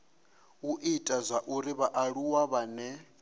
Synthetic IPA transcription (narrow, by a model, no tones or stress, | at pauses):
uʔitʼazʷaʔuɾiβaʔaɺuwaβanɛ